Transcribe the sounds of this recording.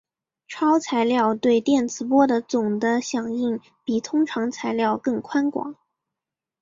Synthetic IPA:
ʈ͡ʂʰɑ˥ʊt͡sʰa˧˥ɪljɑ˥˧ʊt̪we˥˧ɪt̪jɛ˥˩nt͡sɹ̩˧˥pwɔ˥d̪ə˨t͡sʊ˨˩ŋd̪ə˦ɕjɑ˨˩ŋi˥˩ŋ | pi˨˩t̪ʰʊ˥ŋʈ͡ʂʰɑ˧˥ŋt͡sʰa˧˥ɪljɑ˥˧ʊkɤ˥˩ŋkʰwa˥nkwɑ̰˨˩˦ŋ

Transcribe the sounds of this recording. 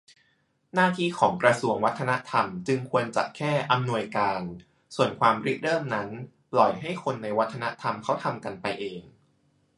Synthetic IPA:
naː˥˩t̪ʰiː˥˩kʰɔː˩˦ŋkɾa˧su˧əŋwa˦˥t̪ʰːa˧na˦˥t̪ʰa˧mt͡ɕɯ˧ŋkʰu˧ənt͡ɕa̰˨˩kʰɛː˥˩ʔa˧mnu˧əjkaː˧n | su˨˩ənkʰwaː˧mɾi˦˥k̚dɤː˥˩mna˦˥n | plɔ˨˩jɦa˥˩jkʰo˧nːa˧jwa˦˥t̪ʰːa˧na˦˥t̪ʰa˧mkʰa˦˥wt̪ʰa˧mka˧npa˧jʔeː˧ŋ

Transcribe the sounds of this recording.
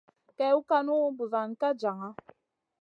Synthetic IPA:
kɛ˨˦u˦ka˦nu˦bu˨va˨n˨ka˦d͡ʒa˨ŋa˦

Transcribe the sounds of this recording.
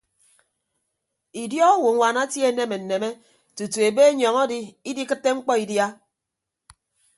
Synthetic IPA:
i˨djɔ˦o˦wu˨˦ŋʷa˨na˦tje˦˨˦ne˦me˨n̩˨ne˨me˦ | tu˨tu˨e˨be˦e˦ɲɔ˨ŋɔ˦di˦i˦di˦kɨ˦tːe˦ŋ͡m̩˦k͡pɔ˦i˨dja˦

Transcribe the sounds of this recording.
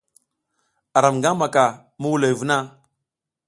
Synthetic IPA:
a˨ɾa˨mŋɡa˦ma˨ka˨ | mu˦wu˦la˨jvu˦na˦

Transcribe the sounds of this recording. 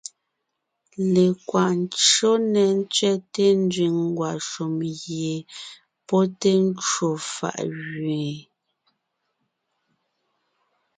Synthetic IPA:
le˨kwa˨n˦t͡ʃo˦nɛ˨n̩˦t͡sɥɛ˦te˦n˦dɥi˨ŋŋ˦ɡwa˨ʃu˨mɣje˨ | pɔ˦te˦n̩˦t͡ʃo˨fa̰˨ʔɣɥe˨

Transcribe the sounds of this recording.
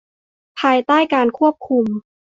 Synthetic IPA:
pʰaː˧jt̪aː˥˩jkaː˧nkʰu˥˩əp̚kʰu˧m

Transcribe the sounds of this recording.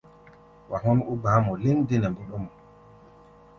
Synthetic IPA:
wa˨ɦɔ˦nʔu˦baː˨˦mɔ˨le˦ndi˦nɛ˨mbu˦ɗɔ˦mɔ˨

